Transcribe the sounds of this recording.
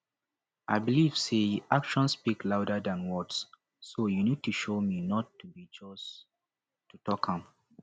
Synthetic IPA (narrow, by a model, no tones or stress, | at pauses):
ʔaɪbiliv̥seʔakʃɔ̃nspiklaʊdədãnwɔds | sojunid̚tuʃominɔtːubid͡ʒɔs | tutɔkʰãm